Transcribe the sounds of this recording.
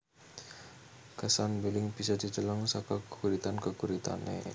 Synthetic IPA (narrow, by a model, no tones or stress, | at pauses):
kəsanbilɪŋb̥isad̪̥id͡ʒəlɔŋsakakəkuɾit̪ankəkuɾit̪a̰nʔḛ